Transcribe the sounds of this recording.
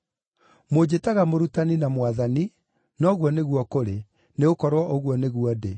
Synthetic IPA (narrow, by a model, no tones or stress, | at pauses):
mod͡ʑetaɣamoɾutaninamwaðani | nɔɣwɔneɣwɔkoɾe | neokɔɾwɔʔoɣwɔneɣwɔde